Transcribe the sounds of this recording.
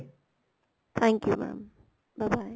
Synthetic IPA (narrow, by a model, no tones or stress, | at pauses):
t̪ʰæ̃ŋkjumæ̰̃m | b̥aɪbaɪ